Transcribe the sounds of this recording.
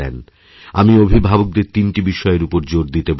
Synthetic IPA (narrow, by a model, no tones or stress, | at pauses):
ɛ̰n | a̰miobʱibʱabok̚d̪eɾt̪inʈibiʃɔeɾupoɾd͡ʑoɾd̪it̪eb